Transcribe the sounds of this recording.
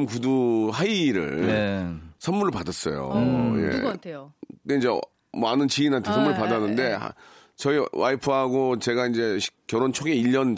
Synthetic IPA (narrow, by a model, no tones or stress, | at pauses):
mkuduɦaiɾɯ̰ɭ | sʰʌnmːuɾɯɭpadas͈ʌ̰jo̰jḛ | deind͡ʑe | manɯnt͡ɕiinɦantʰesʰʌmuɾɯɭpadanːɯnde̞a̰ | t͡ɕʌiwaipʰɯɦaɡot͡ɕe̞ɡaind͡ʑe̞ɕk͈jʌɾont͡ɕʰoɡe̞iʎːʌn